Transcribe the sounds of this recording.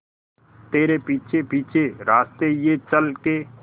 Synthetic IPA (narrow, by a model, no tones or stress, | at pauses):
t̪eːɾepiːt͡ʃʰepiːt͡ʃʰeɾaːst̪ejet͡ʃəlkeː